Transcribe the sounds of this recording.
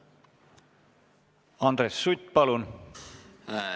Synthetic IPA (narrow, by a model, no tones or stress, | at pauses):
ɑnd̪ɾesːut̪ːpɑlun